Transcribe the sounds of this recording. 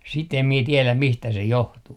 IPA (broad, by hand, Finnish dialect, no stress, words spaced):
sit em mie tielæm mistæ se johtuː